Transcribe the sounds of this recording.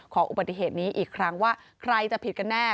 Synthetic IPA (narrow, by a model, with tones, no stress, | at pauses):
kʰɔː˩˦ŋʔu˨ba˨˩t̪ːi˧˩ɦeː˨˩t̪̚niː˦˥ʔiː˨˩kʰɾa˦˥ŋwaː˥˩ | kʰɾa˧jt͡ɕa˨˩pʰi˨˩ka˧nːɛː˥˩